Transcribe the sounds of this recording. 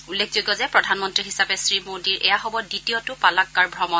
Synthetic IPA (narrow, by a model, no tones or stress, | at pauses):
ulːekʰzojɡɔzɛpɹɔdʱanmɔntɹiɦisapɛsɹimodiɹʔɛ̰jaɦɔbɔditiɔtʊpalakːaɹbʱɹɔmɔn